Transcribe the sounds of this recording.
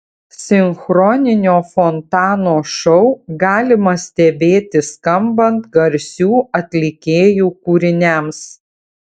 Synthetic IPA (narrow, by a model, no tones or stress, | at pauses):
sʲɪŋxɾɔːnʲɪnʲoːfɔnt̪ɑːnoːʃɔʊɡɑːlʲɪmɐsʲt̪ʲɛbʲeːt̪ʲɪskɐmbɐnt̪ɡɐɾʲsʲuːɐt̪ʲlʲɪkʲeːjuːkuːɾʲɪnʲæms